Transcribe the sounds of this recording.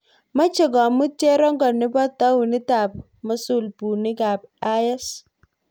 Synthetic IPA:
ma˦t͡ʃɪ˨ɡɔ˨mʊ˦tjɛ˦ɾɔ˦ŋɡɔ˨nɪ˦bɔ˦tːa˦wnɪ˦ta˨p | ma˦su˦˨lpu˨nɪ˦ɡa˨ba˦jɛ˦s

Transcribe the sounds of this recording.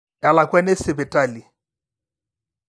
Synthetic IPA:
a˨la˨kʼwɛ˦nɛ˦sɪ˨bɛ˨tʼa˦˨li˨

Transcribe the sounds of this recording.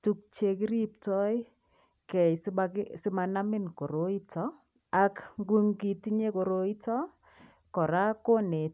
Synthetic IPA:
tu˦k̚t͡ʃe˨ki˦ɾi˦p̚tɔ˦j | kɛ˨saksɪ˦mana˦mɪ˦nko˨ɾo˦i˦tɔ˦ | akŋɡu˦ŋɡi˨ti˦ɲe˦ko˨ɾo˦i˦tɔ˦ | kɔ˨ɾa˦ko˦ne˨

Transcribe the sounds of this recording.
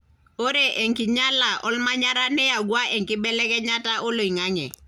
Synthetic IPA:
o˦ɾe˨ʔe˨ŋki˨ɲa˦la˨ʔɔ˦lma˦ɲa˦ɾa˦nɛ˦ja˨ɡwa˦ʔɛ˨ŋkɪ˦bɛ˦lɛ˦kɛ˦ɲa˦ta˦ʔo˦lo˨i˨ŋa˦ŋɛ̰˨

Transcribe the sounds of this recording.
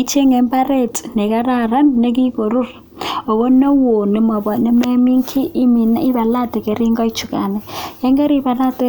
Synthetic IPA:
i˦t͡ʃʰi˦ɛ˦ŋɛ˨mpʼa˦re˦˨tʼi̥˨nɛ˨k̬a˦raɾa˦ne˦k̬i˦ɡʱo˨ru˦ra˨ | ɔ˨βɔ˦nɔ˦wo˨nɛ˨˦mɔ˨ɓa˨nɛ˦me˦mi˦ŋkʰi˦ʔːmi˨na˦ʔi˦βa˨la˦dʱɛ˨ke˨ɾi˦ŋɡa˦i̥˦t͡ʃʰu˨kʼa̰ː˨nɛ˨jɛ˦ŋɡe˦ɾi˦βa˨na˦tʼɛ˦

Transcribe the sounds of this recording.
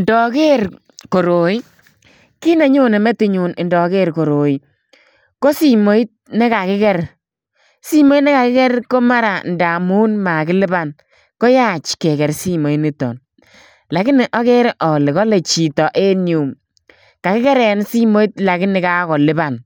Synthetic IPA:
ndɔ˨ke˦ɾ | ko˨ɾo˨i˦ | ki˦nɛ˨ɲo˦nɛ˨mɛ˦tɪ˨ɲu˨nɪ˨ndɔ˨ke˦ɾko˨ɾo˨i˦ | ko˦si˨mo˦i˦t̚nɛ˦ka˨kɪ˦kɛ˦r | si˦mo˦i˦nɛ˦ka˨kɪ˦kɛ˦ɾko˦ma˦ɾa˨nda˨mu˦nma˨kɪ˦lɪ˦ba˦˨n | ko˦ja˦t͡ʃkɛ˨kɛ˨ɾsi˦mo˨i˦nɪ˦tɔ̰˨n | la˨kɪ˦nɪ˨ʔɔ˦kɛ˦ɾʔɔ˨lɪ˨kɔ˦le˨t͡ʃi˨tɔ˨ʔe˦nju˨m | ka˨kɪ˦kɛ˦ɾɛ˨n˦si˦mo˦i˦t̚la˨kɪ˦nɪ˨ka˦kɔ˨lɪ˦ba˨n

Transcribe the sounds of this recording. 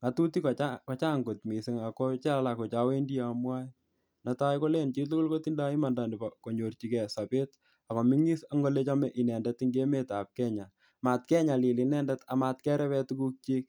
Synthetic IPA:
ŋa˨tu˦ti˦kkɔ˨t͡ʃa˦ŋɡo˨tmi˨sɪ˨ŋa˨ko˦t͡ʃa˦la˨ko˨t͡ʃa˦we˦ndi˦a˨mwa˦ | na˨ta˦jko˦le˦nt͡ʃi˦tu˦kʊ˦lko˦ti˦nda˦i˦ma˨nda˨ndi˨pa˨ko˨ɲo˨rt͡ʃi˨kɛ˨sa˨pe˦t | a˨ko˨mi˦ŋi˦sa˦ŋɡo˦le˦t͡ʃa˦mɛ˦ʔi˨nɛ˨ndɛ˦tiŋɡe˦me˦ta˨p̚kɛ˦ɲa˨ | ma˨t̚kɛ˦ɲa˨li˨li˨nɛ˦ndɛta˨ma˧tkɛ˦ɾɛ˦pɛ˦tu˦ku˦k̚t͡ʃi˦k̚

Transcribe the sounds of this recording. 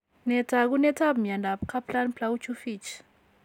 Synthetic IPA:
nɛtʰak̬unɛ˦tʰa˦bmija˨nda˨pkʰa˦planplaut͡ʃʰu˦fi˦t͡ʃ

